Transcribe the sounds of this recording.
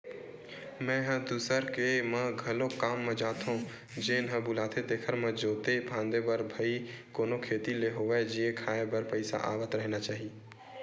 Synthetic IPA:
mɛ̃ɦə̃d̪usəɾkemə̃ɡʱɐlõkaːmːẽd͡ʒaːt̪ɦõ | d͡ʒenɦə̃bʊlaːt̪ed̪eːkʰəɾmẽd͡ʒoːt̪ebʰʱãːnd̪ebəɾbʱəikoːnokʰeːt̪ileɦoʋɛd͡ʒiekʰaːebəɾpəɪsa̰ʔa̰ːʋət̪ɾəɦnat͡ʃaːɦi

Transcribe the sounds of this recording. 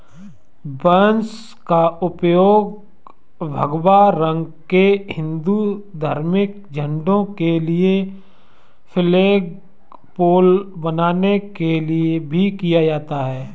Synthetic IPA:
bəns | kaʊpjoːɡ | bʱəɡwaɾə̃ŋɡkehɪ̃nd̪ud̪ʱaːɾmɪk̚ | d͡ʒʱə̃ɳɖõkelie | fʰɪleːɡ | poːlbənaːnekeliebʱikijad͡ʒaːt̪aɦɛː

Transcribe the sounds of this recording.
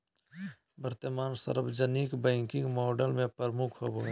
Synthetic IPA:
bəɾt̪əmaːnsə̰ɾbd͡ʒənikbə̃ŋkɪ̃ŋɡmɔːɖəlmẽpəɾəmukʰɦobo

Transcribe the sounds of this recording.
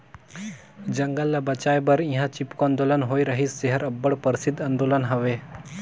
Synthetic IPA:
d͡ʒɐŋɡəlːɐbɐt͡ʃaːjbəɾĩɦãt͡ʃipkoɐ̃nd̪oːlənɦoːiɾəɦisd͡ʒeɦəɾɐbːəɽpəɾsid̪ɐnd̪oːlənɦəʋeː

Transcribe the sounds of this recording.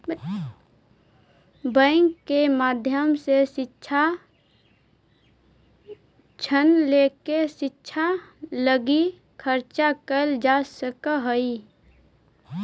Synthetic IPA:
bə̃ŋkːemaːd̪ʱjəmsesɪʃʰa | t͡ʃʰənlekeʃɪtːʃʰaləɡi | kʰəɾt͡ʃakəld͡ʒaːsəkəɦəi

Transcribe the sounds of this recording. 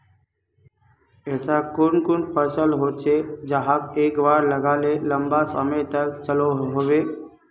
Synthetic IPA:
ɛːsakonkʊnpʰəsəlɦoːt͡ʃʰed͡ʒəɦakeːkbaːɾləɡaːleləmbasə̰met̪əkt͡ʃəloɦoʋeː

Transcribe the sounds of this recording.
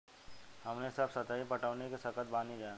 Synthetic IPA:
hɐmnesəbsət̪aːipɐʈaːnekesɐkət̪̚baːnid͡ʒaːẽ

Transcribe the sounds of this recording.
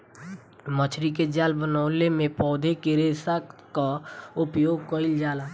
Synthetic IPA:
mət͡ʃʰɾiked͡ʒaːlbənaːlemẽpɔːd̪ʱekeɾesakaʊpjoːɡkəɪld͡ʒaːla

